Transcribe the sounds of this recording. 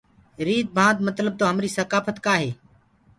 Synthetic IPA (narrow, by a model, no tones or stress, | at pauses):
ɾiːd̪̚bʱãːd̪̚mət̪ləb̚t̪oːɦəmɾiːsəkaːfət̪kaːɦeː